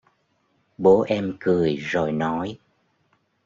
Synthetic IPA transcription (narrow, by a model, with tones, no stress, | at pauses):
ɓo˨˦ʔɛ˧mkɨ˨˩əjzo˨˩jnɔ˨˦j